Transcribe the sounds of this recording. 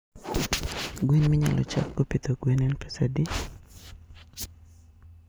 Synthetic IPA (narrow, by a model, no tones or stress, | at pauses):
ɡwinmɪɲa̰lʔɔ̰t͡ʃa̰k̚ɡopit̪oɡwinɛnpesadi